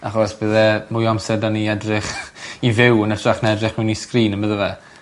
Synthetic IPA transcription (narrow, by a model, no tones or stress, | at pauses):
aχɔsb̥əðɛmʊjɔmsɛdaniɛdrɪχivɪwənətʰraχnɛdrɪχmɪniskriːnəmbəðəvɛ